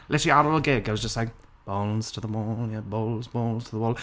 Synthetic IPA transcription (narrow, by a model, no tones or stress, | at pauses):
lʔɛtiaɾəlˠəɡɛɡoʊzd͡ʒʌstlaɪk̚ | b̥oʊlz̥tʰəðəwɔːljɛboʊlˠzboʊlz̥tʰəðəwɔːlˠ